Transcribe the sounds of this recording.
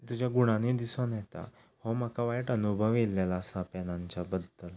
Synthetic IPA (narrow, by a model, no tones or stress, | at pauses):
t̪ud͡ʑjaɡuɽ̃aniːd̪isonjɛt̪a̰ | homəkaʋajʈənubʱəʋelːalaːsapɛnaɲt͡ɕabəd̪ʱːəl